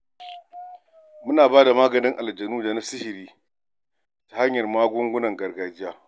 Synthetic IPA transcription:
mʊ˦naː˨baː˦da˨maː˦ɡɐ˨nɪ˦ŋʔa˨ld͡ʒɐ˨nuː˦d͡ʒaː˨na˦sɪ˦hɪ˨ɾiː˦ | tḁ˨ha˦ɲjɐ˨rmaː˦ɡʷʊ˦ŋɡʷʊ˦nɐ˨ŋɡɐ˨rɡaː˨d͡ʒɪ˦jaː˦

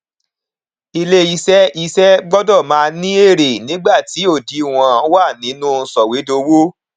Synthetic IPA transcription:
i˧le˦i˧sɛ˦i˧sɛ˦ɡ͡bɔ˦dɔ˦˨mãː˦˧nĩ˦e˦˨ɾe˨nĩ˨˦ɡ͡ba˦˨ti˨˦o˦˨di˨˦˨w̃ã˧ã˨˦wa˦˨nĩ˨˦nũ˦n̩˧sɔ˨we˨˦do˧wo˦

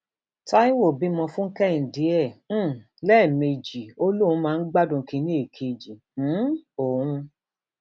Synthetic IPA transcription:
ta˦i˦wo˦˨bi˨˦mɔ̃˧fũ˦ŋ̩˦kɛ˦˨n̩˨di˨˦ɛ̃˦˨˦ | lɛː˦˨me˧d͡ʒi˨o˧˦lu˦ũ˨˦mãː˦˧n̩˦ɡ͡ba˦dũ˧˨˧kĩ˧nĩ˦e˦˨kʰe˨d͡ʒĩ˨˦o˨ũ˧

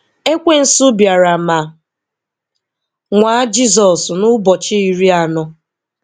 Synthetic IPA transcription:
e˦kʷe˦n̩˨sʊ˦bja˨ɾa˨ma˨ | ŋʷa˨a˦d͡ʒi˦zɔ˨snʊ˦bɔ˨t͡ʃɪ˦i˨ɾi˦a˨nɔ˦

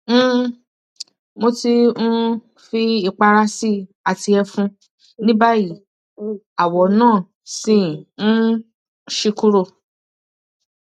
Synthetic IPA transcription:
m̩˦˧ | mo˧ti˧ñ̩˦ | fi˧i˧˨k͡pa˧ɾa˧si˦ | a˨ti˧ɛ˧fũ˧ | nĩ˦ba˦ji˦˨ | a˨wɔ˨˦nãː˦˨ | sĩ˦˨n̩˦ | ʃi˧ku˦ɾo˧˨

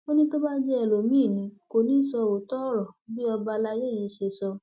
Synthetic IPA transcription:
o˦nĩ˦to˦ba˦d͡ʒɛ˦ɛ˨lo˨mĩ˦˨nĩ˨˦ko˧nĩ˦sɔ˧wo˨tɔ˦ɾɔ˨bi˦ɔ˧ba˧la˧je˦˨ji˧˦ʃe˧sɔ˧

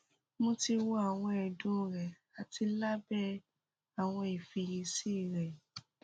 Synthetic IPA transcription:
mũ˧ti˧wo˧˦a˨w̃ɔ̃˧ɛ˨dũ˦ɾɛ˨ | a˨ti˧la˦bɛ˦ | a˨w̃ɔ̃˧i˨fi˧ji˧si˦˨ɾɛ˨

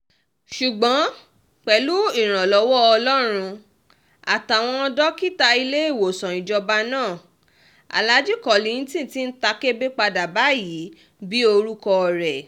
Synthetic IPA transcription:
ʃu˨ɡ͡bɔ̃˨˦ | k͡pɛ˨lu˦i˦˨ɾ̃ã˨lɔ˨˧˦wɔ˦ɔ˧lɔ˦ɾ̃ũ˧ | a˨ta˨w̃ɔ̃˧dɔ˦ki˦ta˧i˧le˦i˦˨wo˨sɔ̃˨ĩ˨d͡ʒɔ˧ba˦nãː˦˨ | a̰˨la˨˦d͡ʒi˦kɔ˨li˧˨ĩ˦tĩ˦˨˦ti˦n̩˦ta˧ke˦be˦k͡pa˧da˨ba˨˦ji˨˦ | bi˦o˧ɾu˦kɔ˧˨ɾɛ˨

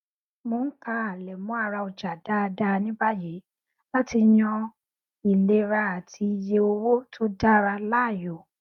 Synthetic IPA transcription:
mõ˨˦ka˧˦a˨lɛ˨mũ˨˦a˧˨ɾa˧o˨d͡ʒa˨da˦˧da˦˧nĩ˦ba˦je˨˦ | la˦ti˧jɔ̃˧ | i˨le˦ɾa˧a˨tʰi˧je˧o˧wo˦tʰo˦da˦˨ɾa˧la˦˨jo˨

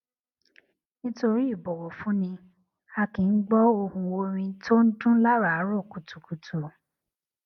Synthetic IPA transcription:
nĩ˦to˧ɾi˦i˦˨bɔ˨wɔ˨fũ˨˦nĩ˧ | a˧kĩ˨˦n̩˦ɡ͡bɔ˦o˧hũ˧wo˧ɾ̃ĩ˧tʰo˦n̩˦dũ˦la˦ɾa˨˦ɾo˦˨ku˨tu˨ku˨tu˨

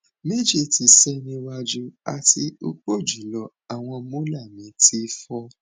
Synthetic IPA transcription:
me˦d͡ʒe˦˨ti˨˧˨sɛ˦nĩ˧wa˧d͡ʒu˧a̰˨tʰi˧o̰˧k͡po˦˨d͡ʒi˨˦lɔ˨˦ | a˨w̃ɔ̃˧mo˦la˦˨mĩ˨˦tʰi˦fɔ˧˦

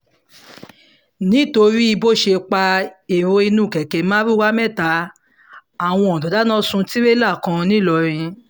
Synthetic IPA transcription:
nĩ˨˦to˧ɾi˦i˧bo˦˨ʃe˧k͡pa˧e˨ɾo˧i˧nũ˦˨kɛ˨kɛ˨mã˦ɾi˦wa˦mɛ˦˨ta˨˦ | a˨w̃ɔ̃˧ɔ̃˨dɔ˨da˨˦nã˦sũ˧ti˦ɾe˦la˦˨kã˧nĩ˦˨lɔ˧ɾ̃ĩ˧

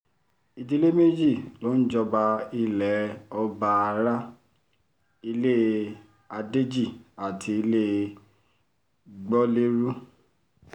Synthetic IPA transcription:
i˨di˧˦le˦me˦d͡ʒi˦˨lo˨˦n̩˦d͡ʒɔ˧ba˧i˧lɛ˨˦ɔ˧ba˧a˧ɾa˦ | i˧le˦ | a˧de˦d͡ʒi˦˨a˨tʰi˧i˧le˦ | ɡ͡bɔ˦le˦ɾu˦

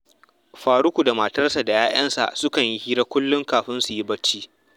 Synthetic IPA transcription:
ɸaː˨ɾʊ˦kʷu˨da˨maː˨tɐ˦rsa˨da˨jaː˦j̰ɐ˦nsa̰˨ʔsʊ˦kɐ˨ɲji˦hiː˦ɾa˦kʷʊ˦lːʊ˦ŋkaː˨ɸɪ˦nsu˨ji˦bɐ˦t͡ʃːiː˦

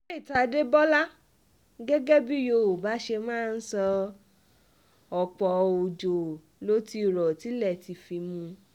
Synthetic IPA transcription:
e˦i˦˨ta˧de˦bɔ˦la˦ | ɡɛ˦ɡɛ˦bi˦jo˧˨o˨ba˨˦ʃe˧mãː˦˨˧n̩˦sɔ˧ | ɔ˨k͡pɔ˨o˨d͡ʒo˨ | lo˨˦ti˧˦˨ɾɔ˨ti˨˦lɛ˦˨ti˨fi˧mũ˧

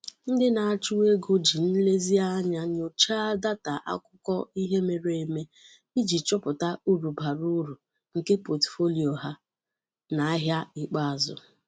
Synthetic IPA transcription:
n̩˦dɪ˦na˨a˨t͡ʃu˦we˦ɡo˦d͡ʒi˨n̩˦le˦zi˦a˦ɲa˦ɲ˦o˨t͡ʃa˦da˦ta˨ʔa̰˦kʊ˦kɔ˦i˦ɦe˦me˨ɾee˨me˦ | i˦d͡ʒi˨t͡ʃɔ˦pʊ˨ta˦u˦ɾu˨ba˨ɾu˦ɾu˨ | ŋ̩˨ke˦po˨tfo˦li˨o˨ɦa˦ | na˨a˦ɦja˦i˦k͡pa˦a˨zʊ̰˨

